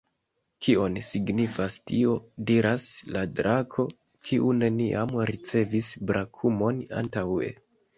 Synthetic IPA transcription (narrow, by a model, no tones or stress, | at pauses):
kʰio̞nsiɡnifastio̞diɾasladɾʔakʰo̞ | kʰiʔune̞niʔamɾit͡se̞visbɾʔakʰumo̞na̰ntawḛ